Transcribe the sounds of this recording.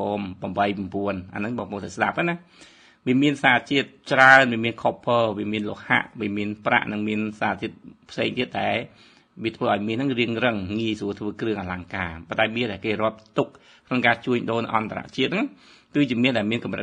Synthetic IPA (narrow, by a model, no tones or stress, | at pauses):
oːmpɑmɓəjpmpuənʔa̰nɨŋɓɑːŋpoŋt̪asɗap̚ʔana | ʋiəmiənsaːt͡ɕiət̪̚t͡ɕraənʋiəmiənkʰopʰːəːʋiəmiənloəʔha̰ʔʋiəmiənprʔa̰ʔnɨŋmiənsaːt͡ɕiət̪̚pʰseːŋt̪iət̪̚ɗaɛl | ʋiət̪ʰʋəːʔaɔjmiənɨŋriəŋrɨŋːiəsuət̪ʰʋəːkrɨəŋʔaːlaŋkaːpont̪aɛmiəɗaɛlkeːrŏəp̚t̪uk̚ | kʰnoŋkaːt͡ɕuəɲɗoːlnɨʔɑnt̪ʰaɾa̰ʔt͡ɕiət̪̚nɨŋ | kɨːt͡ɕiəmiənɗaɛlmiənkɑmrə̰